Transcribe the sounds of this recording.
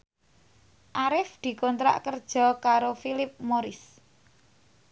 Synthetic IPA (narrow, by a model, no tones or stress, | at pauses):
ʔaɾɪfd̪̥i̤kɔnt̪ɾa̰ʔkərd̥ʒ̥ɔ̤kaɾofilɪp̚moɾɪs